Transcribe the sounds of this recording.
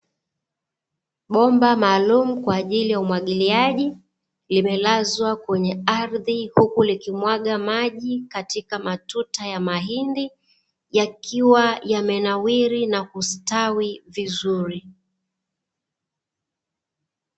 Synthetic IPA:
ɓɔmbamaːlumukwaːʄilijaumwaɠiliaʄi | limɛlazwakwɛɲɛaɾðihukulikimwaɠamaʄikatikamatutajamaɦindi | jakiwajamɛnawiɾinakustawivizuɾi

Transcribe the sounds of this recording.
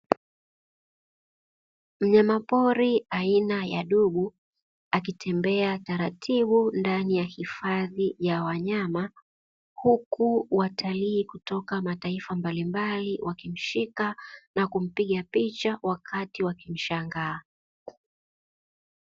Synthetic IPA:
m̩ɲamapɔɾiainajaɗuɓu | ak̬itʰɛmbɛataɾatʰiɓundanijahifaðijawaɲama | hukuwatʰaliːkutɔkamataifambalimbaliwʔakim̩ʃikanakum̩piɠapit͡ʃawakʰatiwakim̩ʃaŋɡaː

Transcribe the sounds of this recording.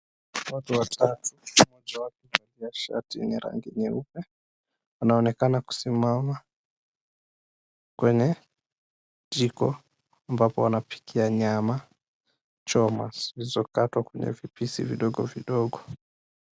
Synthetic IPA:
watuwatʰatumɔd͡ʒawatuvaliaʃa̰tiniɾa̰ŋɡiɲɛupɛ | wanaɔnɛkanaku̥simama | kwɛɲɛ | d͡ʒikɔ | ambapɔwanapi̥kʰiaɲama | t͡ʃɔma̰svizɔkatwakwɛɲɛ̰vipisḭviɗɔɡɔviɗɔɡɔ

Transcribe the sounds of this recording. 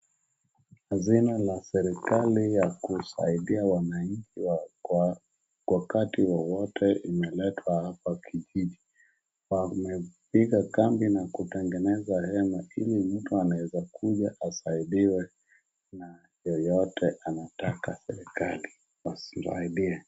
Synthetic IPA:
hazinalasɛɾikalijakusa̰iɗiawanaɲ̩t͡ʃiw | kwakatiwawɔtʰɛimɛlɛtʰwahapakʰiʄiʄi | wamɛpiɠakambinakutɛŋɡɛnɛzahɛmailim̩tuanawɛzakʰuʄaʔasaiɗiwɛ | na | jɔjɔtʰɛʔanatakasɛɾikali | wasisa̰iɗiɛ

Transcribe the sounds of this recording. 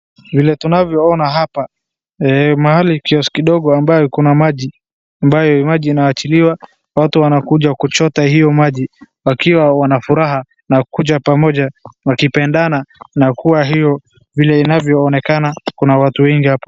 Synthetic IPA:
vilɛtunavjɔɔnaɦapa | ɛmahalikiɔsi̥kiɗɔɠɔambajɔkunamaʄi | ambajɔmaʄiːnawat͡ʃiliwa | watuwanakuʄakut͡ʃɔtaɦijɔmaʄiwakiwawanafuɾaɦa | nakuʄapamɔʄawakipɛndananakuwaɦijɔ | vilɛinavjɔːnɛkanakunawatuwɛŋɡihapɔ̥

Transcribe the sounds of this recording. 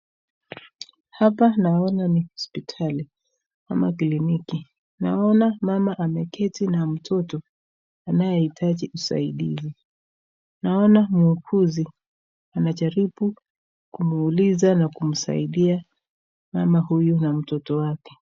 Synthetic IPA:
hapanaɔnanihɔspitʰali | ka̰ma̰kiliniki | na̰ɔnamamaʔamɛkʰɛtinam̩tʰɔtɔ | anajɛitʰaʄiʔusa̰iɗizi | naɔnamuukʰuzi | anat͡ʃaɾiɓu | kumuːlizanakum̩sa̰iɗia | mamahujunam̩tɔtɔwakɛ̥

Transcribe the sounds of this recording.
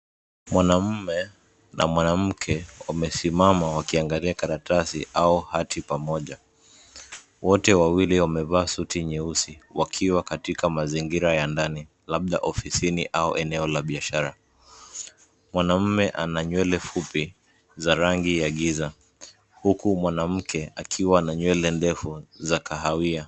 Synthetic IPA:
mwanam̩mɛ | na̰mwanam̩kʰɛwamɛsimamawakiaŋɡaliakaɾatasḭʔauhatʰipamɔʄa | wɔtɛwawiliwamɛvaːsutiɲɛusiwakʰiwakatikamaziŋɡiɾajandani | laɓ̚ɗaʔɔfisiniʔauʔɛnɛɔlaɓiaʃaɾa | mwanam̩mɛʔanaɲwɛlɛfupi | zaɾaŋɡijaɠiza | hukumwanam̩kʰɛakʰiwanaɲwɛlɛndɛfuzakaɦawia

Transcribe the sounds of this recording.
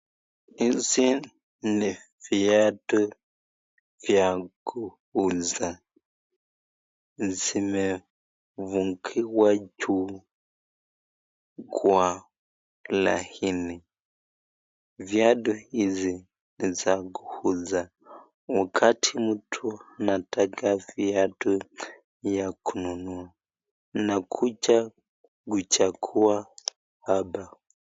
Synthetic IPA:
izi | niviadɔ | vjakuhuza | zimɛ | vuŋkʰiwat͡ʃu | ɡwa | la̰hini | vjaɗuhizi | nizaɡuhuza | wakʰatʰimutʰuanatakaviadu | jakʰununua | nakʰut͡ʃa | ɡut͡ʃakʰua | haba

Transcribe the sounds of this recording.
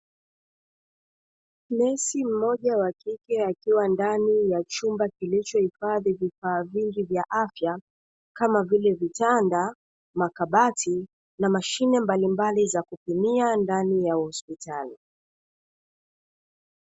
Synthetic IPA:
mɛsim̩mɔʄawakikɛakiwandanijat͡ʃumbakilit͡ʃɔhifaðivifaːviŋɡivjaʔafja | kamavilɛvitanda | makaɓati | namaʃinɛmbalimbalizakupimiandanijauhɔspitali

